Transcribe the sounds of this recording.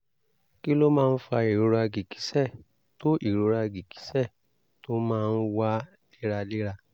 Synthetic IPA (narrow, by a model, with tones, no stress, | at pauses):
ki˦lo˦mãː˦˧n̩˦fa˧i˨ɾo˨˧ɾa˧ɡi˨ki̥˨˦sɛ˦˨ | to˦ʔi˨ɾo˨˧ɾa˧ɡi˨ki̥˨˦sɛ˦˨ | to˦mãː˦˧n̩˦wa˦ | li˦ɾa˧li˦ɾa˧